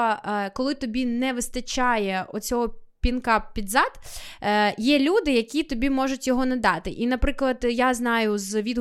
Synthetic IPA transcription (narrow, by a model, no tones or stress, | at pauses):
ɐkɔlˠɪt̪ɔbʲinɛʋɪst̪ɐt͡ʃɑjɛɔt͡sʲɔɦɔpʲinkɑppːʲid̪zɑd̪ | jɛlʲud̪ɪjɐkʲit̪ɔbʲimɔʒʊtʲjɔɦɔnɐd̪ɑt̪ɪʔinɐpɾɪklˠɐd̪jaznɑjʊzʋʲid̪